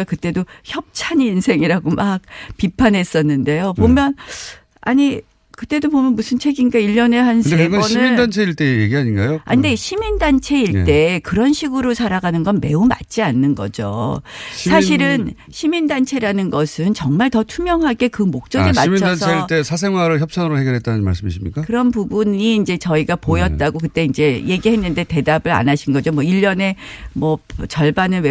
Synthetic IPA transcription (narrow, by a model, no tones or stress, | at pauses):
akɯt͈e̞doçjʌp̚t͡ɕʰaniinsʰe̞ŋiɾaɡomak̚pipʰanɦes͈ʌnːɯnde̞jopomjʌn | a̰ɲi | kɯt͈e̞dopomjʌnmusʰɯnt͡ɕʰe̞ɡiŋɡaiʎːʌne̞ɦansʰɡʌnʌɕniɯmindant͡ɕʰeiɭt͈e̞jḛɡiɦaɲinɡa̰joa̰ɲinde̞ɕʰimindant͡ɕʰe̞iɭt͈e̞kɯɾʌnɕʰiɡɯɾosʰaɾaɡanɯnɡʌnme̞̰uma̰t̚t͡ɕ͈ianːɯnɡʌ̰d͡ʑo̰ | sʰaɕʰiɾɯn | ɕʰimindant͡ɕʰe̞ɾanɯnɡʌsʰɯnt͡ɕʌŋmaɭtʌtʰumjʌŋɦaɡe̞kɯmok̚t͡ɕ͈ʌɡimait͡ɕʰʌdansʰeiɭt͈e̞sʰas̬ʰe̞ŋwaɾɯɭçjʌp̚s͈ʰaŋɯɾoheɡjʌɭɦet͈anɯnma̰ɭs͈ɯmis͈ɯmɲḭk͈akɯɾʌnpubuɲiːnd͡ʑe̞t͡ɕʌiɡapojʌt̚t͈aɡokɯt͈e̞ind͡ʑe̞je̞ɡiɦe̞nːɯnde̞te̞dabɯɾa̰naɕʰinɡʌd͡ʑomʌiʎːʌne̞mʌpt͡ɕʌɭbanɯɭwe